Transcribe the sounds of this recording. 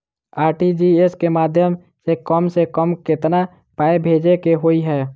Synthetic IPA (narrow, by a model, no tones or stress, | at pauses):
aːɾʈid͡ʒieskemaːd̪ʱjəm | sekəmsekəmkɪt̪na | paːebʱeːd͡ʒekeɦoiɦɛː